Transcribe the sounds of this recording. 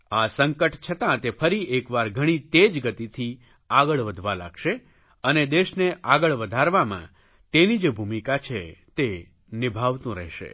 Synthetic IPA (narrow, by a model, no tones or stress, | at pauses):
asəŋkəʈt͡ʃʰət̪ãt̪efʰəɾiʔekʋaɾɡʱəɽ̃it̪ed͡ʒɡət̪it̪ʰi | aɡəɭʋəd̪ʱʋala̰ɡʃe | əned̪eʃneʔaɡəɭʋəd̪ʱaɾʋamã̰ | t̪enid͡ʒebʱumikat͡ʃʰet̪e | nɪbʱaʋt̪ũɾɛ̰ɦʃḛ